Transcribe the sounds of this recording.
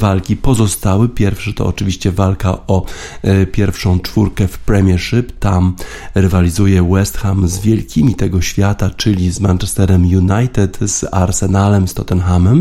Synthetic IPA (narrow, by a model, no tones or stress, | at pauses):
valkʲipɔzɔst̪awɘpʲjɛɾfʂɛt̪ɔ̰ɔ̰t͡ʂɘvʲiɕt͡ɕɛvalkaʔɔ | pʲjɛɾfʂɔ̃w̃t͡ʂfuɾkɛfpɾɛmʲjɛʂɘpt̪am | ɾɛvalʲizujɛwɛst̪xamzvʲjɛlkʲʰimʲit̪ɛɡɔɕfʲjat̪at͡ʂɘlʲizmant͡ʂɛst̪ɛɾɛmjunajt̪ɛt̪z̥a̰ɾsɛnalɛmst̪ɔt̪ɛnxamɛm